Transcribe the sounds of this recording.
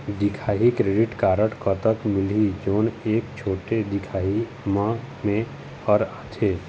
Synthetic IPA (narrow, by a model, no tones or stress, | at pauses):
d̪ɪkʰaːɦikɾeːɖɪʈkaːɾəʈkət̪əkmɪlid͡ʒoːneːkt͡ʃʰoːʈed̪ɪkʰaːɦi | mã | mẽ | ɔːɾat̪ʰeː